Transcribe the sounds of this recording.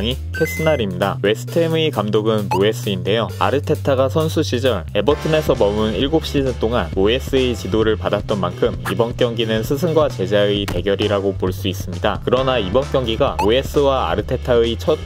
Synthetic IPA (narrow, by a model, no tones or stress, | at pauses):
ŋi | kʰes͈ʰɯnaɾimɲidawe̞sʰɯ̥tʰemɯikamdoɡɯnoe̞s͈ʰɯinde̞joa̰ɾɯtʰe̞tʰaɡasʰʌnsʰuɕ͈ʰid͡ʑʌɭe̞bʌtʰɯne̞sʰʌmʌmɯniɭɡop̚ɕ͈iɯt͈oŋanoe̞s͈ɯet͡ɕidoɾɯɭpadat̚t͈ʌnmankʰɯmibʌnk͈jʌŋɡinɯnsʰɯs̬ʰɯnɡwat͡ɕe̞d͡ʑaɯipe̞ɡjʌɾiɾaɡopoɭs͈uis͈ɯmɲidakɯɾʌnaibʌnk͈jʌŋɡiɡaoe̞s͈ɯwaa̰ɾɯtʰe̞tʰaɯit͡ɕʰʌt̚